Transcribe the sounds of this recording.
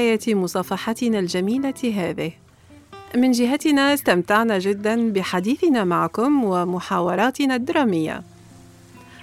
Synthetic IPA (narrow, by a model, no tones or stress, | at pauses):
jat̪mʊsˤɑːfɑħɑt̪ɪnald͡ʒamiːlaɦaːðɪh | mɪnd͡ʒɪɦat̪ɪnast̪amt̪aʕnaʒɪd̪ːanbɪħad̪iːθɪnamaʕakʊmwamʊħaːwɑɾˤɑːt̪ɪnad̪ːɑɾˤɑːmɪjːa̰